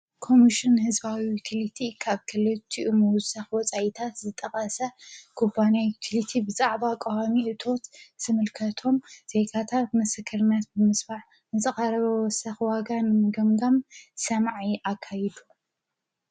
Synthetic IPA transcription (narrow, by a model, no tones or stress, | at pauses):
kʰo̞miʃɨnhɨzbawijut̪ʰilit̪ʰikʰaβkʰɨlɨt̪ʰːiʔumɐwʊsɐxwɔt͡sʼajit̪ʰat̪zɨt̪ʼɐkʼɐsɐkʰubanajut̪ʰilit̪ʰibɨzaʕbakʼowamiʔɨt̪ʰo̞t̪z̥ɨmɨlkʰɐt̪ʰo̞mz̥e̞ɡat̪ʰat̪̚mɐsɐkʰɐɾɨnat̪̚bɨmɨsbaʕ | nɨzɨxʼɐɾɐβɐwɔsɐxwaɡanɨmɨɡɐmɡamsɐmʕiʔakʰːajid̪u